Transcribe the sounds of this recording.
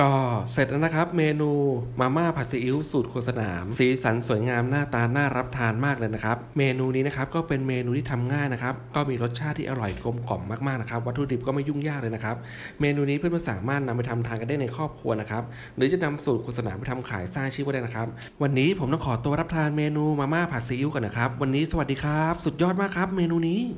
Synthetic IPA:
kɔː˥˩se˨˩na˦˥na˦˥kʰɾa˦˥p̚meː˧nuː˧maː˧maː˥˩pʰa˨˩t̪̚sa˧ʔi˦˥wsuː˨˩t̪̚kʰoː˧˩sa˧na̰ː˩˦msiː˨˩˦sa˨˩˦nsu˨˩˦əjŋaː˧mnaː˥˩t̪aː˧nːaː˥˩ɾa˦˥p̚t̪ʰaː˧nmaː˥˩k̚lɤː˧jna˦˥kʰa˦˥p̚meː˧nuː˧niː˦˥na˦˥kʰa˦˥p̚kɔː˥˩pe˧nmeː˧nuː˧iː˥˩t̪ʰa˧mŋaː˥˩jna˦˥kʰa˦˥p̚kɔː˥˩miː˧ɾo˦˥t̪̚t͡ɕʰaː˥˩t̪ʰːiː˥˩ʔa˧ɾɔ˨˩jko˧mkɔ˨˩mːaː˥˩kmaː˥˩na˦˥kʰa˦p̚wa˦˥t̪ʰːɾuː˧di˨˩p̚kɔː˥˩ma˥˩ju˥˩ŋjaː˥˩k̚lɤː˧jna˥kʰa˦˥p̚ | meː˧nuː˧niː˦˥pʰɯ˥˩nmaː˥˩sa̰ː˩˦maː˥˩t̪̚na˧mpa˧jt̪ʰa˧mt̪ʰaː˧nka˧nda˥˩jna˧jkʰɔː˥˩p̚kʰu˧ɐna˦˥kʰa˦˥p̚ | ɾɯː˩˦t͡ɕa˨˩na˧msuː˨˩kʰo˨˩t̪sa˧na̰ː˩˦pa˧˩t̪ʰa˧mkʰa̰ː˩˦jsaː˥˩ŋt͡ɕʰiː˥˩p̚kɔ˥˩da˥˩jna˦˥kʰa˦˥p̚ | wa˧nːiː˦˥pʰo˩˦mt̪ɔ˥˩kʰɔː˩˦t̪u˧əɾa˦˥p̚t̪ʰaː˧nmeː˧nuː˧maː˧maː˥˩k̚pʰaː˨˩si˧˦u˦˥kɔː˧˩na˦˥kʰɾa˦˥p̚wa˧nːiː˦˥sa˧wa˨˩t̚diː˧kʰɾa˦˥p̚su˨˩t̪̚jɔː˥˩t̪̚maː˥˩kʰɾa˦˥p̚meː˧nuː˧niː˦˥

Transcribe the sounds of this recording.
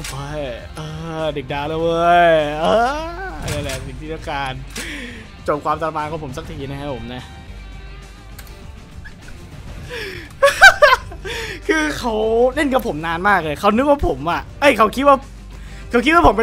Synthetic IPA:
ɤ˧˩j | ʔɤː˧de˨˩k̚daː˧˩la˧˩wɤː˧˩jʔɤː˧jaː˧˩lɛ˧˩si˨˩˦t̪ʰiː˧˩a˥˩kaː˧n | t͡ɕo˨˩p̚kʰwaː˧mt̪a˧la˧maː˧nkʰːpʰo˩˦msa˧˩k̚t̪ʰiː˨˩˦na˦˥a˥˩jpʰo˩˦mna˦˧˥ | kʰɯː˧kʰa˦˥wne˥˩nka˧˩pʰo˩˦mnaː˧nmaː˥˩k̚le˧˩kʰa˦˥wnɯ˦˥k̚waː˥˩pʰo˩˦mʔa˨˩ʔʔa˧˥˩jkʰa˦˥wkʰi˦˥t̪̚waː˥˩ | kʰa˧˦˥wki˦˥t̪̚wa˥˩pʰo˩˦mpe˧

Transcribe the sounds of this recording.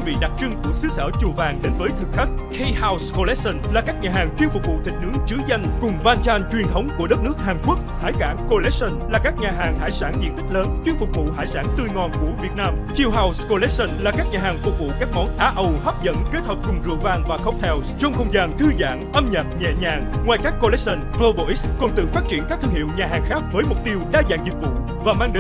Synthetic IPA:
vḭ˧˨ɗa˨˩t̚t͡ɕɨ˧ŋku˧˩ək̚sɨ˨˦sə̰ː˧˩t͡ɕu˨˩vaː˨˩ŋɗe˨˦nvəː˨˦jt̪ʰɨ˨˩k̚xʰa˦˥k̟̚kʰe˧jhaː˧wsko˧lɛ˦˥t̚sə˧nlaː˨˩kaː˦˥k̚ɲaː˨˩aː˨˩ŋt͡ɕwi˧ənfʊ˨˩k͡p̚vṵ˧˨t̪ʰï˨˩k̟̚nɨ̰˨˦˥əŋt͡ɕɨ˨˦za˧jŋ̟kʊ˨˩ŋ͡mɓaː˧nt͡ɕaː˧nt͡ɕwi˨˩ənt̪ʰə˨˦wŋ͡mku˧˩əɗə˦˥t̚nɨ˦˥ək̚haː˨˩ŋku˦˥k̚haː˧˩jkaː˧˩nko˧lɛ˦˥t̚sə˧nlaː˨˩kaː˦˥k̚ɲaː˨˩ɦaː˨˩ŋɦa̰ː˧˩jsaː˧˩nt͡ɕ̪ḭ˧˩nt̪ï˦˥k̟̚ləː˨˦nt͡ɕwi˧ənfʊ˨˩k͡p̚vṵ˧˨ɦaː˧˩jsaː˧˩nt̪ɨ˧jŋɔ˨˩nku˧˩əvi˨˩ət̚naː˧mt͡ɕi˧əwɦaː˧wsko˧lɛ˦˥t̚sə˧nlaː˨˩kaː˦˥k̚ɲaː˨˩ɦaː˨˩ŋfʊ˨˩k͡p̚vṵ˧˨kaː˦˥k̚ŋɔ˨˦nʔaː˧˩ʔə˧whɔ˦˥p̚zə̰˧˨nke˦t̪̚həː˨˩p̚kʊ˨˩ŋ͡mzṵ˧˨əvaː˧ŋvaː˨˩xə˦˥wp̚t̪ʰɛ˧wst͡ɕɔ˧wŋ͡mxə˧wŋ͡mzaː˨˩ŋt̪ʰɨ˧za̰ː˧˨ŋʔə˧mɲə̰˨˩t̚ɲɛ̰˧˨ɲaː˨˩ŋŋwaː˨˩jkaː˦˥kko˧lɛ˦˥sə˧nfə˧ɓo˧˩ʔi˦˥skɔ˨˩nt̪ɨ̰˧˨faː˦˥t̚t͡ɕi˧˩ənkaː˦˥k̚t̪ɨ˧əŋhḭ˧˨əwɲaː˨˩ɦaː˨˩ŋxaː˦˥k̚vəː˨˦jmʊ˨˩k͡p̚t̪i˧əwɗaː˧za̰ː˧˨ŋzi˨˩k̚vṵ˧˨ | vaː˨˩maː˧ŋɗe˨˦

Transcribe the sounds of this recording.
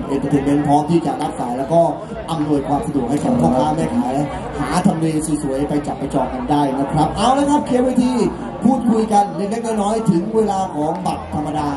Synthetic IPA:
ʔe˧nkt̪ʰɯ˨˩˦me˧˥npʰɾɔː˦˥mt̪ʰiː˥˩t͡ɕa̰˨˩ʔla˦˥t̪̚saː˩˦jlɛː˦˥wkɔː˥˩ | ʔa˧mnu˧əjkʰwaː˧msa˧du˨˩ək̚ha˥˩kʰɔː˨˦ŋkʰɔː˥˩kkaː˥˩wmɛː˥˩kʰaː˨˦l | haː˩˦t̪ʰa˧mleː˧si˨˩su˨˩˦jpa˧jt͡ɕa˨˩p̚ːa˧jt͡ɕɔː˨˩t̚ka˧ndaː˥˩jna˦˥˩kʰɾa˦˥p̚ʔaː˧˩wlaː˧˥jkʰa˦˥p̚kʰeː˦˥weː˧˥˩t̪ʰiː˧˩ | pʰuː˥˩t̪̚kʰu˧jka˧nle˧˥nɛː˦˥kɔː˥˩nɔː˦˥jt̪ʰɯ˩˦ŋweː˧laː˧kʰɔː˩˦ŋba˨˩t̪̚ʰːa˧mːa˧daː˧

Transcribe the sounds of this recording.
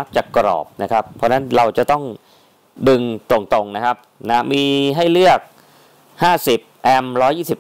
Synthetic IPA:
a˦˥p̚t͡ɕaː˨˩kːɾɔ̰ː˨˩p̚na˦˥kʰa˦˥pʰːɔː˦˧˥na˦˥nɾa˧wt͡ɕa˨˩t̪ɔ˥˩ŋ | dɯ˧ŋt̪o˨˩ŋt̪o˧ŋna˦˥kʰa˦˥p̚na˦˥miː˧ɦa˥˩jlɯ˥˩ək̚ | haː˥˩si˨˩p̚ʔɛ˧mɾɔː˦˥jːiː˥˩si˨˩p̚

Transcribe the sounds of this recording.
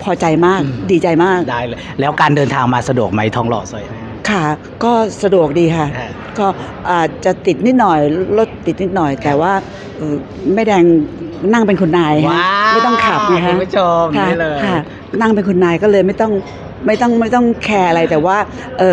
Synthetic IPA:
pʰɔː˧t͡ɕa˧jmaː˥˩k̚diː˧t͡ɕa˧jmaː˥˩k̚daː˥˩jːjlɛː˦˥wkaː˧ndɤː˧nt̪ʰaː˧ŋmaː˧sa˧du˨˩ək̚ma˦˥jt̪ʰɔː˦˥ŋlɔ̰ː˨˩sa˧˩ | kʰa˥˩ | kɔː˥˩sa˧du˨˩ək̚diː˧kʰa˥˩ | kɔː˥˩ | ʔaː˨˩t͡ɕa˨˩t̪i˨˩t̪̚ni˥t̪̚nɔ˨˩jlo˦˥˩t̪ːi˨˩t̪̚ni˦˥t̪̚nɔ˨˩jt̪ɛː˨˩waː˥˩ | ʔɤː˧˩ | ma˥˩jdɛː˧ŋna˥˩ŋpe˧nkʰu˧nːaː˧jma˥˩jt̪ɔ˥˩ŋkʰa˨˩p̚na˦˧˥kʰa˧˦˥pʰu˦˥t͡ɕʰo˧mkʰa˥˦˥lɤː˧kʰa˥˩ | na˥˩ŋpe˧nkʰu˧nːaː˧jkɔː˥˩lɤː˧jma˥˩jt̪ɔ˥˩ŋ | ma˥˩jt̪ɔ˥˩ŋma˥˩jt̪ɔ˥˩ŋkʰɛː˧ʔa˧ɾa˧jt̪ɛː˨˩waː˥˩ | ʔɤː˨˧˩

